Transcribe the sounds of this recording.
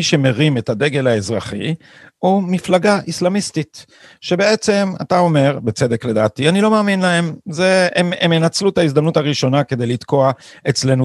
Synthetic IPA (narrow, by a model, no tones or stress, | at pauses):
iʃe̞me̞ʁime̞tad̪e̞ɡe̞lae̞zʁaχḭ | umiflaɡaʔislamistit | ʃe̞be̞e̞t͡se̞ma̰tao̞me̞ʁbet͡se̞d̪e̞kle̞d̪aːtianilo̞meaːminlae̞mze̞ememenat͡slut̪aizdamnutaʁiʃo̞nake̞d̪e̞jlit̪ko̞a | et͡sle̞nu